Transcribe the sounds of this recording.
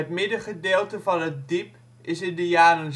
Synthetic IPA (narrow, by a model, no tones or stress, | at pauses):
ətmɪdəχədeːlˠtəvɑnɦət̚dip | ɪsɪndəjaːrən